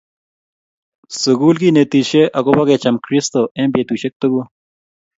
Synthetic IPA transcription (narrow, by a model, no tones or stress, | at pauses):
suɡuːlɡiːnet̪iːɕeʔɐɡobɐɡet͡ɕɐmkɾist̪oʔẽːmbet̪uɕek̚t̪uɡu